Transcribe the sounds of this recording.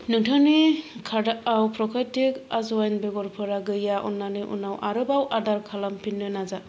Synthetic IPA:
nɯŋtʰanikʰaɾdaʔawpʰɾɔkʰajtikazɔajnbeɡɔɾpʰɯɾaɡɯjaʔṵnːanɯʔṵnawʔaɾɯbawʔadaɾkʰalampʰinːɯnaza

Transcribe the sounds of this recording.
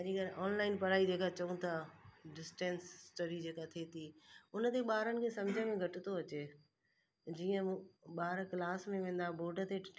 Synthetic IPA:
ɐʄĩkɐɾʔɔːnlaːɪnpɐɾaːid͡ʑeːkat͡ɕɐũt̪ʰaɖɪsʈẽːnsːʈoːɾid͡ʑeːkat̪ʰiet̪ʰiːʊnət̪ʰeɓaːɾənɪ̆kʰesɐ̃md͡ʑʱəmẽɡʱɐʈɪt̪ʰoɐt͡ɕe | d͡ʑiːə̃ɓaːɾklaːsmẽʋẽːn̆d̪aboːɖət̪ʰe

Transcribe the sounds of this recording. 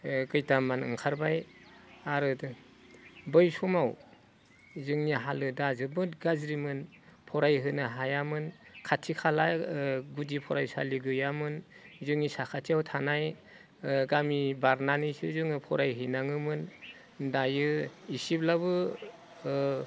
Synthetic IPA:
kɯjtamanɯ̰ŋkʰaɾbajaɾɯd | bɯjsumaw | zɯŋniɦalɯdazɯbɯtɡazɾimɯn | pʰɔɾajɦɯnaɦajamɯnkʰatʰikʰalaɡudipʰɔɾajsa̰liɡɯjamɯn | zɯŋisakʰatʰiawtʰanaj | ɡamibaɾnanɯjsɯzɯŋɯpʰɔɾajɦɯjnaŋɯmɯn | dajɯisiplabɯ

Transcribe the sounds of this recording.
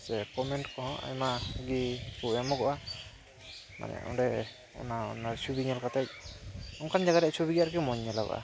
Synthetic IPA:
sɛkɔmɛnʈkɔɦɔ̃ʔa̰jmaɡikuamɔɡɔʔa | ma̰nɛ̰ɔ̰ɾɛ | ɛ̰maɔ̰naɾsʰubiɲalkat̪aj̚ɔŋkʰand͡ʒaɡatɾɛt͡ʃʰubiɡiaɾkɛmɔɲːɛla̰ɡɔ̰ʔa̰

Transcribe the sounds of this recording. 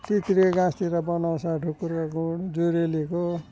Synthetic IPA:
t̪it̪ɾeɡãst̪iɾʌbʌnawsaɖʱukuɾkaɡuɽd͡zuɾeliko

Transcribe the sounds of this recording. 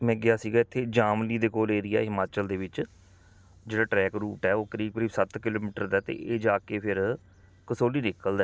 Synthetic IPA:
mɛ̃ːɡɪaːsiːɡaːɪt̪ʰːeːd͡ʒaːmliːd̪eːkoːleːɾɪɛ̰ːɦɪmaːt͡ʃəld̪eːʋɪt͡ʃ | d͡ʒeːɽaːʈɾɛːkɾuːʈɛːoːkəɾiːb̚kəɾiːbsət̪kɪloːmiːʈəɾd̪aːt̪ḛːʔeːd͡ʒaːkeːpʰɪɾ | kəsoːliːnɪkəld̪ɛː

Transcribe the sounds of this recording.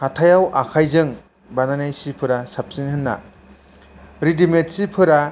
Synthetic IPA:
hatʰajawʔakʰajzɯŋ | bananajsipʰɯɾasap̚sinhɯnːa̰ | ɾidimet̚sipʰɯɾa

